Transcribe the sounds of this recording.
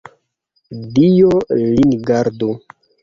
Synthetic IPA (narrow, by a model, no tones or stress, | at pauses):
dijolinɡaɾdo